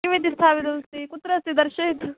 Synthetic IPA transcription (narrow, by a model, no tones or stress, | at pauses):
iʋit̪ist̪ʰaːpit̪ɐst̪ikut̪ɾɐst̪id̪ɐɾʃek̪